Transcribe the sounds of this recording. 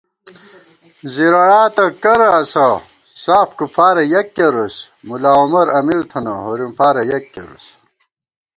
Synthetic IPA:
ziɾɐɽaːt̪ɐkɐɾɐːsɐ | saːfkufaːɾɐjɐkːeɾus | mulaːumɐɾɐmiɾt̪ʰɐnɐɦoɾimfaːɾɐjɐkːḛɾṵs

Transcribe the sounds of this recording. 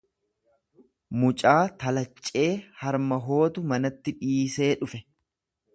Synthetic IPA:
mʊt͡ʃʼaːt̪ɐlɐt͡ʃʼːe̞ːhɐɾmɐɦo̞ːt̪ʊmɐnɐt̪ːɪᶑiːse̞ːᶑʊfɛ

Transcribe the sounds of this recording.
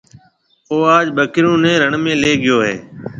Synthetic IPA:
oːaːd͡ʒɓəkɪɾũːnɛ̃ːɾəɳmẽːleːɠɪjoːɦḛː

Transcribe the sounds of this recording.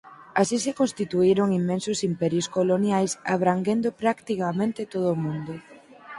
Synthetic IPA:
asisɪkonst̪it̪uiɾʊŋimːẽnsʊsimpɛɾjʊskolonjajsa̰βɾaŋɡend̪ʊpɾakt̪ikamẽnt̪ɪt̪oð̞ʊːmũnd̪ʊ

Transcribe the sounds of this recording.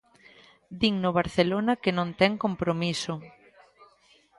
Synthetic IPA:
d̪iŋnʊβ̞aɾθelonɐkɪnõnt̪ɛŋkompɾomisʊ

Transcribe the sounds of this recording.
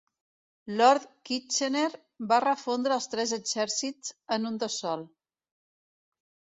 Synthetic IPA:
lɔɾt̪kit͡ʃeneɾ | barəfond̪ɾəːlˠst̪ɾɛzəɡzɛɾsit͡sənund̪əsɔlˠ

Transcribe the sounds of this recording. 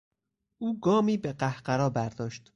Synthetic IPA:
ʔuːɡɒːmiːbeɢæhɢæɾɒːbæɾd̪̥ɒːʃt̪

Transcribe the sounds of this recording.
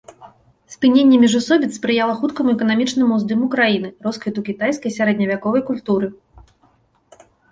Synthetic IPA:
spʲɨnʲenʲːɛmʲiʐusɔbʲit̪spɾɨjalˠɐxut̪kɐmuɛkɐnamʲit͡ʂnɨmuzd̪ɨmukɾajin̪ɨrɔskvʲit̪ukʲit̪ajskɐjsʲaɾɛd̪ʲnʲɐvʲakɔvɐjkulʲt̪uɾɨ

